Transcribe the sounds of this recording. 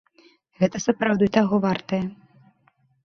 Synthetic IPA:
ɣɛt̪ɐsɐpɾawd̪ɨjt̪aɣɔvart̪ɐjɛ

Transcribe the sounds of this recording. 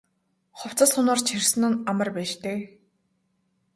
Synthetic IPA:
χʊw̥t͡sə̆sʊnə̆rt͡ɕʰirsɘ̆n̆namə̆rpæːʃt̪eː

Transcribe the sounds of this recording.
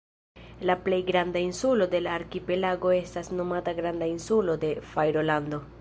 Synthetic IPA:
laple̞jɡɾandainsulo̞de̞laːɾkipe̞laɡo̞e̞stasno̞mataɡɾandainsulo̞de̞fajɾo̞lando̞

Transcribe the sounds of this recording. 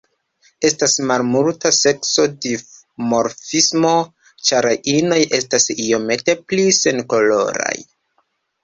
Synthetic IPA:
e̞stasmalmultase̞kso̞de | mo̞ɾfismo̞ | t͡ʃaɾaʔino̞jʔe̞stasio̞me̞te̞plise̞nko̞lo̞̰ɾa̰j

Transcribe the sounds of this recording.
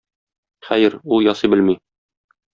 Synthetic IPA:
χæjɘɾulˠjɒsɤbɘlmi

